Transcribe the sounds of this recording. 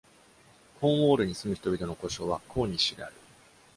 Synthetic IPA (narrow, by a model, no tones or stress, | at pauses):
hõɰ̃o̞ːɾɯ̟ɲ̟isɨmɯ̟çi̥t̪o̞bʲit̪o̞no̞ko̞ɕo̞βakʰo̞ːɲ̟iɕiɡḛa̰ɾɯ̟